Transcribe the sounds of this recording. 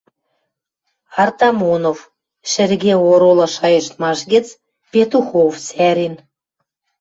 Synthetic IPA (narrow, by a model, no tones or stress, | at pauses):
ɑrt̪ɑmonov | ʃɘ̆rɣeoɾolɤ̆ʃɑjɤ̆ʃt̪mɑʃɡə̆t͡s | pʲet̪uxoft͡sæɾin